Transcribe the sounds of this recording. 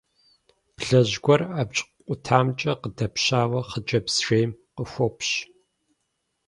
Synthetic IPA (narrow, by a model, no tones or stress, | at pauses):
pɬɐʑɡʷɔrapt͡ʃʼqʷʼʊtʰaːmt͡ʃʼɐqədɐpʰɕaːwɐχəd͡ʒʼɐpsʃeːmqəxʷɔpʰɕ